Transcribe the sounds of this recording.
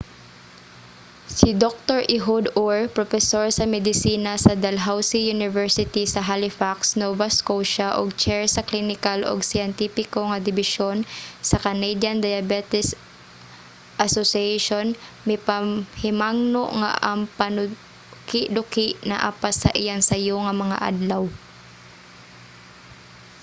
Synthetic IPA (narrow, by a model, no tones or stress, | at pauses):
sɪd̪ok̚t̪oɹʔɪɦud̪oɹpɾofɛsoɹsɐmɛd̪ɪsiːnasɐd̪ɐlɦawsijʊnɪvɛɹsɪt̪isɐɦalɪfaksnovaskowʃaʔo̰ɡ̚t͡ʃɛɹsɐklinɪkalʔo̰ɡsɪjɛnt̪ipɪkoŋɐd̪ɪbɪʃonsɐkɐnejd̪jɐnd̪ajɐbɛt̪ɪs | ʔɐsosɪɛjʃonmɪpahɪmaŋnoʔŋa̰ʔɐŋpɐnʊ | kɪʔd̪ʊkɪʔnɐʔaːpasɐ̰ʔɪjaŋsɐjoŋɐmɐŋa̰ʔa̰d̪law